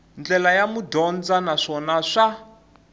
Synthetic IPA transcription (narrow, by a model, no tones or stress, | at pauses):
nd͡ɮɛlajamudɔnd͡zanaʂɔnaʂa